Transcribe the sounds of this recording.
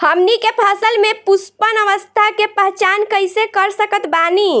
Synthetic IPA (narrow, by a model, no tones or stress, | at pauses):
həmnikepʰəsəlmepuspənəʋəst̪ʰakepəɦt͡ʃankəjsekəɾsəkət̪bani